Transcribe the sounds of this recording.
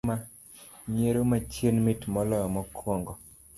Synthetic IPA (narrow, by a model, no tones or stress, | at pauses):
ma | ɲeɾomat͡ʃjenmitmɔlɔjɔmɔkʰwɔŋɡɔ